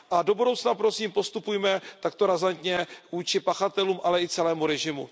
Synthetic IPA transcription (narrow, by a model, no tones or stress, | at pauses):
ʔado̞budo̞wt͡snapɾo̞siːmpo̞st̪upujmɛt̪akt̪o̞ɾazant̪ɲɛvuːt͡ʃɪpaxat̪ɛluːmʔalɛɪt͡sɛlɛːmuɾɛʒɪmṵ